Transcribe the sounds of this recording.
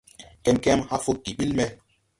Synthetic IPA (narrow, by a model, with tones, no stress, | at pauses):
kɛ˦mkɛ˦mha˦fu˦k̚di˨ɓi˦lmɛ˦